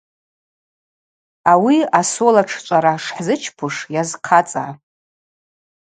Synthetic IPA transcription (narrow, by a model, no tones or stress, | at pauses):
awiasolaʈ͡ʂʰt͡ʃʷʼaɾaʂħzɨt͡ʃʰpʰʊʂjazqʰat͡sʼa̰